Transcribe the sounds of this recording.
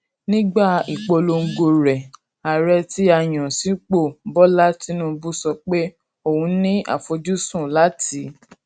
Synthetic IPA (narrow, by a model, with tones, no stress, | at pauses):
nĩ˦ɡ͡ba˦˨i˨k͡po˧lo˧ŋ̩˦˨ɡo˧ɾɛ˨ | a˨ɾɛ˧ti˦a˧˨j̃ã˨si˨˦k͡po˦˨˦bɔ˦la˦ti˦nũ˦bu˦sɔ˧k͡pe˦ | o˦˨hũ˧˦nĩ˦a̰˦˨fo˧d͡ʒu˦sũ˦˨la˦ti˨˦